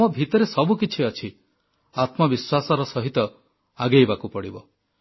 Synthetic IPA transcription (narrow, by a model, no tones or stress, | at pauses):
ɔbʱit̪ɔɾesɔbukit͡ʃʰiɔt͡ʃʰi | at̪mɔbiswasɔɾɔsɔɦit̪ɔ | aɡejbakupɔɽibɔ